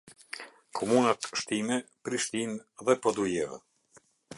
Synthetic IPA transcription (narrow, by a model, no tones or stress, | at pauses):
kʰɔmunat̪ʃt̪imɛpɾiʃt̪inðɛpɔd̪ujɛvɛ̰